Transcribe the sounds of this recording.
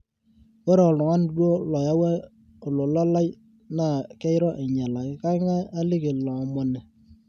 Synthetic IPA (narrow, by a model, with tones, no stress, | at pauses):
wɔ˦ɾɔ˨lʊ˨ŋa˦n˦dwo˦lɔ˨ja˦wa˦ | o˨lo˨lɔ˦la˦j | na˦˨kɛ˦ɪ˦ɾɔ˦ʔe˨ɲa˨la˨ɪ˦ka˦ɪ˦ŋa˦a˦lɪ˦ke˨llɔ˨mɔ˨nɛ˨